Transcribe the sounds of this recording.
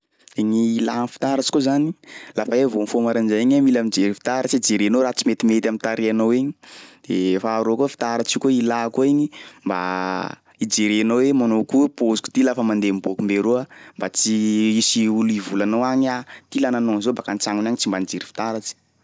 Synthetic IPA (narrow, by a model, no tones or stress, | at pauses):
eɲiːlanfi̥t̪aɾat͡ʃi̥kozanilafaevomifomaɾand͡ʒaiɲamilamid͡ʒeɾifi̥t̪aɾat͡ʃiid͡ʒeɾenoɾat͡simet̪imet̪ʲamint̪aɾeanoweɲi̥d̪̥efaːɾokofi̥t̪aɾat͡ʃikoilakoeɲimba̰ | id͡ʒeɾenowemanokupozu̥ku̥t̪ilafəmand̪emibokumbeɾuambat͡ʃiisiulivulanowaɲat̪ilananonzobakant͡saŋunaɲit͡simbanid͡ʒeɾifi̥t̪aɾat͡ʃi̥